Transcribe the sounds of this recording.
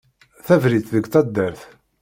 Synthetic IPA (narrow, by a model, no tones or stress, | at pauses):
θævɾit̪ðəɡt̪ˤɑd̪ːæɾθ